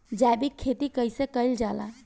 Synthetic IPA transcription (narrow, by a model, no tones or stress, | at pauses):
d͡ʒajbikʰːet̪ikəjsekəjld͡ʒala̰